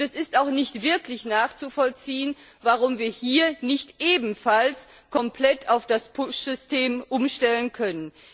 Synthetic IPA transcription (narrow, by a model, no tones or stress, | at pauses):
ɛsɪstaʊxnɪçtv̥ɪɐklɪçnaːχt͡sufɔlt͡siːən | vaʁʊmviːɐhiːɐnɪçtʔeːbm̩fals | kʰɔmpl̥ɛtʰaʊfd̥aspʰʊʃz̥ʏsteːmʔʊmʃtɛlənkʰœnən